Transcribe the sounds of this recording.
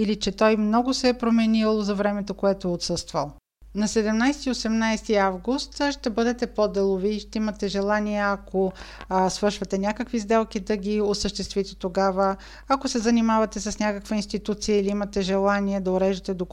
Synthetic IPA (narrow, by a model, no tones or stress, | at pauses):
ilit͡ʃɛt̪ɔjmnɔɡʊsɛpɾomɛnilˠozɐvɾɛmɛt̪okoɛt̪oɛot̪sɤst̪və̰lˠ | nɐsɛd̪ɛmnajst̪iosɛmnajst̪iavɡust̪ʃt̪ɛbɤd̪ɛt̪ɛpod̪ɛlˠoviʃt̪ɛimɐt̪ɛʒɛlˠaniɛɐkosvɤɾʃvɐt̪ɛnʲjakəkvizd̪ɛlˠk̟id̪ɐɡʲiosəʃt̪ɛst̪vit̪ɛ̥t̪oɡavə | ɐkosɛzɐnimavɐt̪ɛsɐsnʲakəkvəinst̪it̪ut̪sijəiliimɐt̪ɛʒɛlˠaniɛd̪ɐoɾɛʒət̪ɛd̪o